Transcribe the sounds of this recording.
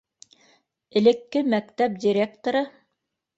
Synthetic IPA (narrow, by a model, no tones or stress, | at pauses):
ɘ̆lɘ̆kːɘmækt̪æp̚dʲiɾʲek̚t̪oɾɤ